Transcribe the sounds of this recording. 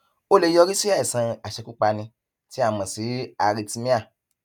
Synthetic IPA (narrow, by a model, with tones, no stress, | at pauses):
o˦le˧jɔ˧ɾi˦si˦a˦˨i˨sã˧a˨ʃɛ˧ku˦k͡pa˧nĩ˧ | ti˦a˦˨mã˨si˨˦a˧ɾi˧ti˧mĩ˦a˦˨